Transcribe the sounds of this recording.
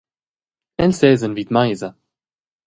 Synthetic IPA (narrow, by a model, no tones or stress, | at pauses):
ɛnsɛːzənviːt̪majza